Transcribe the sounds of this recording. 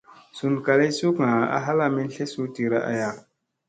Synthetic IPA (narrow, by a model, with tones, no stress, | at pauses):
su˨n˨ka˨le˦su˦kŋa˨a̰˨ɦa˦la˦mi˦n˦ɬe˦su˦ti˨ɾa˦ʔa̰˨ja˨